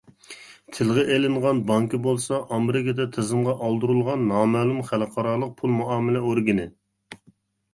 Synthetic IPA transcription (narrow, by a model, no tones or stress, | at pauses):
t̪ʰɪlʁɛʔelɪɴʁɑnbɑŋkibolˠsɑʔɑmeɾɪkʲɑd̪ɛt̪ʰezɨmʁɑʔɑlˠd̪uɾulˠʁɑnːɑːmɛːlˠumχælqʰɑɾɑːlˠəq̚pʰulˠmuɑːmɪlɛoɾɡʲɪnɪ